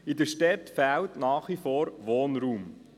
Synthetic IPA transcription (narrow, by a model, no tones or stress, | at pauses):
idəʃtɛtfæːltnaːχʋifɔːɾʋoːnɾuːm